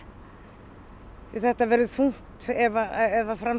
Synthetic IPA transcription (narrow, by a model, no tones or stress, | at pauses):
iθɛht̪avɛːɾʏθuŋ̥t̪ɛvaɛvafɾam